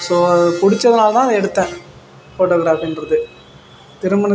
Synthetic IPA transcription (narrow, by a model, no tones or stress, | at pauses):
soːɐðɯpʊɽɪt͡ʃːɐðɐnaːlɐt̪ãːðɛɽɯt̪ːɛ̃ː | foːʈːoːɣɾaːfɪndɾɐðɯ | t̪ɪɾɯmɐnɐ